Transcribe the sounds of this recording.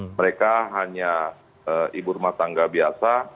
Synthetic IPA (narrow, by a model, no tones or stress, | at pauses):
məɾekaɦaɲa | əʔibʊrmat̪aŋɡabiasa